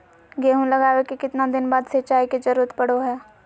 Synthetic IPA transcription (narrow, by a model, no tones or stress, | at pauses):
ɡeːɦũlɐɡaːwekekɪt̪nad̪ɪnbaːd̪sɐt͡ʃaːiked͡ʒɐɾuːɾət̪pɐɽoɦɛː